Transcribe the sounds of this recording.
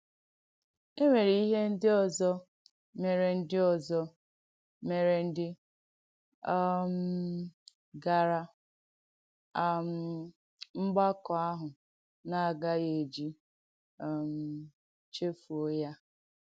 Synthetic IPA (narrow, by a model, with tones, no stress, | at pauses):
e˦ŋʷe˨ɾi˨i˦ɦe˦n̩˦dɪ˦ɔ˨zɔ˦ | me˨ɾe˨n̩˦dɪ˦ɔ˨zɔ˦ | me˨ɾe˨n̩˦dɪ˦ | m̩˦ | ɡa˨ɾa˦˨ | m̩˨ | ŋ͡m̩˦ɡ͡ba˦kɔ˨a˦ɦʊ˨ | na˨a˨ɡa˦je˨d͡ʒi˦˨ | m̩˦ | t͡ʃe˦fu˨o˦ja˦